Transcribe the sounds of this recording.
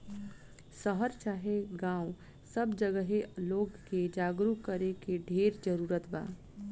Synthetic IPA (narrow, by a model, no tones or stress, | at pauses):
səɦəɾt͡ʃaːɦeɡãːw | səbd͡ʒəɡəɦeloːɡked͡ʒaːɡɾukəɾekeɖʱeːɾd͡ʒəɾuːɾət̪ba̰ː